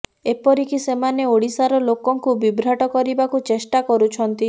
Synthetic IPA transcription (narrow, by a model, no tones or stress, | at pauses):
epɔɾikisemaneoɽisaɾɔlokɔŋkubibɾaʈɔkɔɾibakut͡ʃesʈakɔɾut͡ʃʰɔnt̪i